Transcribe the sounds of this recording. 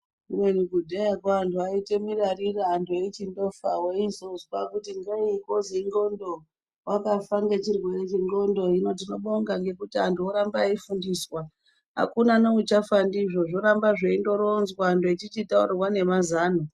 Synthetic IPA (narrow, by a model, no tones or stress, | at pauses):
umwe̞ɲuɡudʱejakaantʰuaitemirariraantʰuet͡ʃindo̞fawoizozkakutiŋɡaikoziŋɡo̞ndo̞ | wakafaŋɡet͡ʃirwe̞ɾet͡ʃiŋɡo̞ndo̞ino̞t̬ino̞ɓoŋɡaŋɡe̞kutiantuoɾambaifundiswa | ɦa̰kunanout͡ʃafandiʐo̞ʐoɾambaʐeindo̞ɾonzwaːntuit͡ʃit͡ʃitaṵrwane̞mazaːno